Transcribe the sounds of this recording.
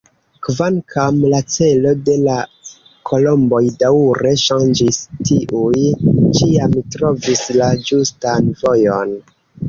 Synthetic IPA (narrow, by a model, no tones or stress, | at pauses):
kvankʰamlat͡se̞lo̞de̞la | kʰo̞lo̞mbo̞jdauɾe̞ʃand͡ʒistiʔujt͡ʃiamtɾo̞vislad͡ʒustanvo̞jo̞n